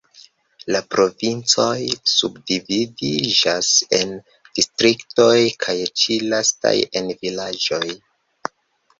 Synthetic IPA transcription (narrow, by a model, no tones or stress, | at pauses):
lapɾo̞vint͡so̞jsubdividid͡ʒase̞n | d̥istɾikto̞jkʰajt͡ʃilasta̰je̞nvilad͡ʒo̞j